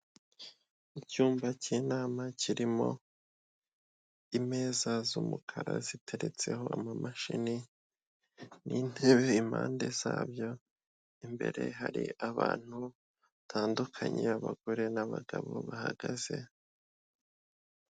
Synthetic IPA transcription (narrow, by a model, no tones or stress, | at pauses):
icuːmbaciːnaːmaciɾimo̞̰ | ime̞ːzazumukʰaɾazitʰe̞ɾe̞t͡se̞ɦo̞ʔamamaʃini | nʔiːn̥he̞βe̞im̥a̰ːnde̞z̥aːbjo̞ | imbe̞̰ɾe̞ɦaɾḭaβaːn̥hu | tʰaːndukʰaɲe̞aβaɡ̥o̞ɾe̞naβaɡaβo̞̰βahaɡ̥az̥e̞